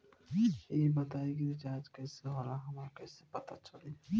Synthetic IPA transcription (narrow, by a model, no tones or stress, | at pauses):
ebɐt̪aːeɡid͡ʒaːd͡ʒkɛːseɦoɾaɦɐmaɾakɛːsepɐt̪at͡ʃɐle